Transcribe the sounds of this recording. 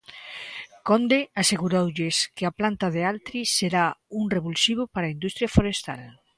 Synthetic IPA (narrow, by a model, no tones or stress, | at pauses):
kond̪easeɣuɾowʎeskeaplant̪aðealt̪ɾiseɾauŋreβulsiβ̞opaɾaind̪ust̪ɾjafoɾest̪a̰l